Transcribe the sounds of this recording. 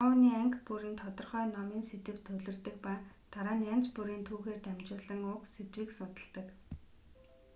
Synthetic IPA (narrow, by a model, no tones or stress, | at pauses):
ʊːniːæŋkpuɾĭːnt̪ʰɔt̪ɞ̆rχœːnɔmiːnset̪ɘ̆w̥t̪ʰːɵwɮɵ̆rt̪ɘ̆k̚paːt̪aɾaːnjan̥t͡spuɾiːnt̪ʰuːɣeːrt̪æmt͡ɕʊːɮə̆ŋʊkset̪wiːksʊn̥t̪ə̆ɬt̪ə̆k